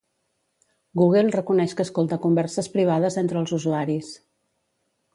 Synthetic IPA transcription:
ɡuɣ̞elˠrəkunɛʃkəːskolˠt̪əkumbɛɾsəspɾiβ̞aðəzent̪ɾəːlˠzuzuaɾis

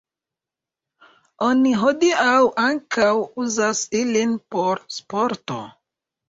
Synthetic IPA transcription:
oniɦo̞diawʔaŋkawuzasilinpo̞ɾspo̞ɾto̞̰

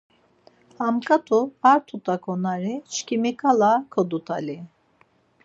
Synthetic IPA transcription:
hamkʰat̪ʰupaɾt̪ʰut̪ʰakʰonaɾit͡ʃkimikʰalˠakʰod̪ut̪ʰalʲi

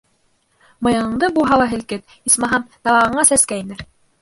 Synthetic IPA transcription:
mɤ̆jɑnɤ̆ɴd̪ɤbuɦɑlˠɑɦɘ̆lkɘt̪ | ismɑɦɑmt̪ɑβɑʁɤ̆ɴɑsæskæinɘɾ

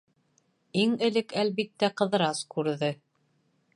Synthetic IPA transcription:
iŋɘ̆lɘkælβit̪ːæqɤ̆ðɤ̆ɾɑskʉɾðɘ

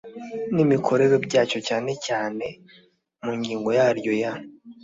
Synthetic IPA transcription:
nimikʰo̞ɾe̞ɾo̞bɟaːcocaːne̞caːne̞ | muɲɡiːŋɡo̞jaːɾɟo̞ja

